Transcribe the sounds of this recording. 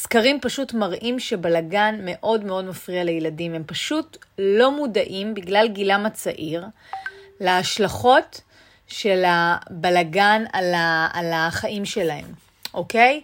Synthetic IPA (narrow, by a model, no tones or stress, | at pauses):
skaʁimpaʃutmaʁʔimʃebalaɡanme̞ʔo̞dme̞o̞dmafʁialejladime̞mpaʃutlo̞mudaʔimbiɡlalɡilamat͡saʔiʁ | leaʃlaχo̞t | ʃe̞labalaɡanalaalaχaʔimʃe̞lahe̞̰m | ʔokej